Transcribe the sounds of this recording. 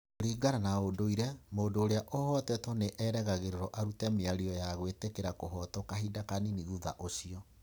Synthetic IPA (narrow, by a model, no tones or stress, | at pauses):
oɾiːɡaɾanaodoiɾɛmoːdoːɾeaʔohɔtɛtɔneʔɛɾɛɣaɣeɾeɾɔʔaɾutɛmeaɾiɔjaɣwetekeɾakoɦɔtɔkaɦidakaniniɣuða̰ʔosiɔ